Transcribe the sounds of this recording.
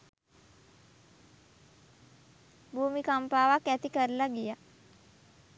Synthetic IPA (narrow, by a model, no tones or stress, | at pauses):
bʱuːmikampaːʋakæt̪ikəɾlaɡija